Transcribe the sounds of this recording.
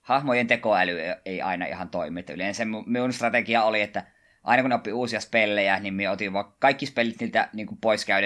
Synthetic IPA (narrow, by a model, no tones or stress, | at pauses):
hɑhmojent̪ekoælyeˑiɑ̰ˑinɑ̰ḭhɑnt̪oˑimiet̪ːæyleˑnsæmmumiunst̪rɑt̪ekiɑoliet̪ːæ | ʔɑ̰inɑkunopːiuːsiɑspelːejænimmieot̪iʋʋɑkɑikːispelːit̪niːlt̪æ̰niːŋkumpoˑiskæˑye